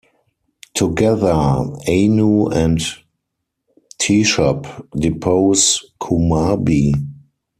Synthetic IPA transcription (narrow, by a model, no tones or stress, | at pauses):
tʰuɡɛðə˞eɪnuɛ̃nt | tʰiʃɔpdɪpʰoʊskʰumabi